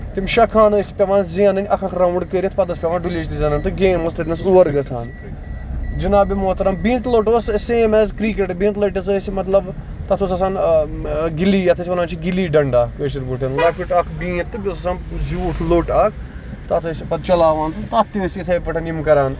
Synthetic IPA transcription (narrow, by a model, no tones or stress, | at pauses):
t̪imʲʃɐkʰaːnːsʲpʲɐʋaːnziɐnɐnʲɐkʰɐkʰɾɐʋuɳɖkeɾʲit̪ʰpɐd̪ɐspʲɐʋaːnɖulʲeːt͡ʃt̪izʲɐnɐnt̪ɨɡeːmoslɐt̪nɐsuʋɐɾɡɐt͡sʰa̰ːn | d͡ʒinaːbimoːt̪ɐɾɐmbĩːnt̪loːʈoːsseːmeːzkɾiːk̬eʈbĩːnt̪lɐʈɐsəːsmɐt̪lɐb | t̪ɐt̪ʰusɐsaːn | ɡiliːjɐt̪ʰɐs̬ʲʋɐnaːnt͡ʃʰiɡiliːɖɐɳɖaːkeːt͡ʃiɾbuʈʰʲɐnlɐpiʈɐkʰbĩːt̪ːɨbʲosɐsaːnzuːʈʰloːʈɐkʰ | t̪ɐt̪ʰɨsʲipɐd̪̚t͡ʃɐlaːʋaːnt̪ɨt̪ɐt̪ːiʋɐsit̪ʰɐjpɐʈʰɐnimkɐɾaːn